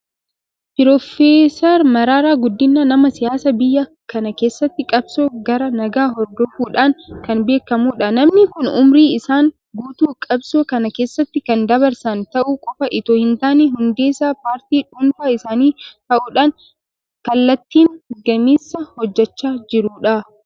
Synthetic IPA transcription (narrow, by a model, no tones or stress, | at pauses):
pɪɾɔfeːsɐɾmɐɾaːɾaːɡʊd̪ːɪnːaːnɐmɐsɪjaːsɐbɪjːɐ | kɐnɐke̞ːsːɐt̪ːɪkʼɐbsoːɡɐɾɐnɐɡaːɦɔɾd̪ɔfuːᶑaːŋkɐnbe̞ːkːɐmuːᶑɐnɐmnɪkʊnʊ̰mɾiːɪsaːŋ | ɡuːt̪uːkʼɐbsoːkɐnɐke̞ːsːɐt̪ːɪkɐnd̪ɐβɐɾsɐnt̪ɐʔuːkʼɔfɐʔɪt̪oːhɪnt̪aːneːɦʊnd̪e̞ːsaːpaːɾt̪iːᶑʊnfaːɪsaːniːt̪ɐʔuːᶑaːn | kɐlːɐt̪ːiːŋɡɐmiːsːɐhɔd͡ʒːɛt͡ʃːaːd͡ʒɪɾuːᶑa